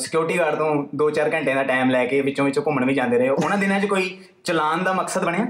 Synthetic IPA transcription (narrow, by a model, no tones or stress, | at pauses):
sɪ̥kjuːɾɪʈiːɡaːɾt̪õːd̪oːt͡ʃaːɾkə̃ɳʈẽːd̪aːʈaːmlɛːkeːʋɪt͡ʃõːʋɪt͡ʃõːkʊməɳʋiːd͡ʒãːnd̪eːɾəɦeoʔʊnãːd̪ɪnãːt͡ʃkoːiː | t͡ʃəlaːnd̪aːməksəd̪bəɳeãː